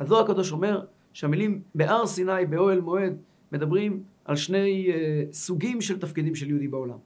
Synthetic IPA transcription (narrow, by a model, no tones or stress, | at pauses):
azoakad̪o̞ʃo̞me̞ʁ | ʃeamilimbe̞ʔaʁsinajbeo̞elmo̞e̞d̪ | me̞d̪abʁimʔa̰lʃne̞jsuɡimʃe̞lt̪afkid̪imʃeljud̪ibeo̞la̰m